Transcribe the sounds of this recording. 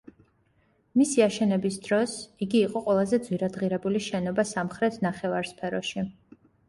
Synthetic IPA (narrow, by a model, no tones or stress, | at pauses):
misiaʃɛnɛbisd̪ɾɔsiɡiːqʼɔqʼwɛlˠazɛd̪zwiɾad̪ʁiɾɛbuliʃɛnɔbasamχɾɛt̪ʰnaχɛvaɾspʰɛɾɔʃi